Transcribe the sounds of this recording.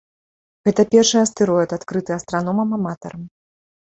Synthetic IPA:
ɣɛt̪ɐpʲɛrʂɨɐst̪ɛɾɔɛt̪at̪kɾɨt̪ɨɐst̪ɾanɔmɐmɐmat̪ɐ̰ɾɐm

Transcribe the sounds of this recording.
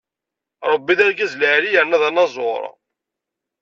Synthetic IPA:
ɾˤəbːiðæɾɡæzləʕɾijəɾnæðænːɑzˤoɾˤɑ̰

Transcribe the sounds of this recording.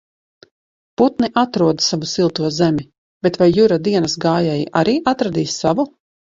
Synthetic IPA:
put̪niʔat̪ɾuɔd̪savusilˠt̪uɔzɛmʲi | b̥et̪vajːuɾad̪iɛnasɡaːjɛjiʔaɾiːʔat̪ɾad̪iːsːavu

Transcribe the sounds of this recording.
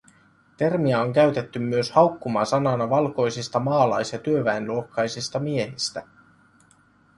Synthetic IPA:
t̪e̞rmiɑoŋk̟æɥt̪e̞t̪ːymːyøshɑwkːumɑsɑnɑnɑʋɑlko̞jsist̪ɑmɑːlɑjsjɑt̪yøʋæenluo̞kːɑjsist̪ɑmie̞hist̪æ

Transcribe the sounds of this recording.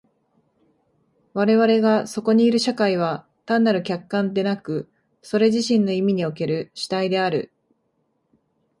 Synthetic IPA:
βaɾe̞βaɾe̞ɡaso̞ko̞ɲ̟iːɾɯ̟ɕakaiβ̞a | t̪ãnːaɾɯ̟kʲakːãnd̪e̞nakɯ̟ | so̞ɾe̞ʑiɕĩnːo̞imʲiɲ̟io̞ke̞ɾɯ̟ɕi̥t̪aid̪e̞aɾɯ̟̰

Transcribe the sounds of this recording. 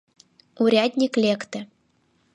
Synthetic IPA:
uɾʲad̪ʲnʲiklʲekt̪ɘ̆

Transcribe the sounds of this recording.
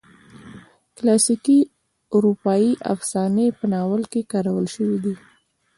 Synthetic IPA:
klɑsiki | ʊɾupɑjiʔa̰fsɑnepənɑwəlkekɑɾawəlʃəwid̪i

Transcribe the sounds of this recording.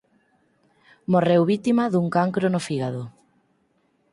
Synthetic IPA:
morewβit̪imaðuŋkaŋkɾonofiɣaðo

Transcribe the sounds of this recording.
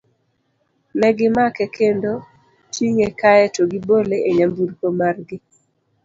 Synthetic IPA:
nɛɡɪmakɛkʰendo | t͡ʃiŋekaɛtoɡiboleʔeɲambuɾkomarɡɪ

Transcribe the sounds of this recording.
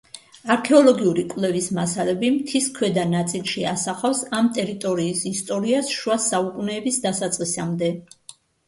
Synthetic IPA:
aɾkʰɛɔlˠɔɡiuɾikʼwlɛvismasalɛbimt̪ʰiskʰwɛd̪anat̪sʼilˠʃiasaχafsamt̪ʼɛɾit̪ʼɔɾiːsist̪ʼɔɾiasʃuwasaukʼunɛːbisd̪asat̪sʼqʼisamd̪ɛ

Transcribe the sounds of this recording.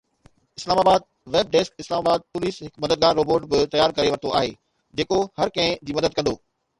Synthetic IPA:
ɪslaːmaːbaːd̪̚ | ʋeːb̚ɖeːskɪslaːmaːbaːd̪̚pʊliːsɦɪkmɐd̪əd̪̚ɡaːɾːoːboːɾʈbɪt̪ɐjaːɾkɐɾeʋɐɾt̪ʰoa̰ːɦeː | d͡ʑeːkohɐɾkɐ̃ɦɪ̃d͡ʑiːmɐd̪əd̪̚kɐ̃nd̪oː

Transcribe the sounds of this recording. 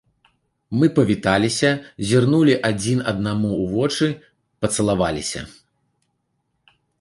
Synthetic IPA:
mɨpɐvʲit̪alʲisʲɐzʲirnulʲiʔad͡zʲinɐd̪̚namuːvɔt͡ʂɨ | pɐt̪sɐlˠavalʲisʲɐ̰

